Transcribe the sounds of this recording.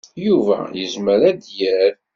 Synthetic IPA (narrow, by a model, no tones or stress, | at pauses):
juvæ̰jəzməɾæd̪jæɾ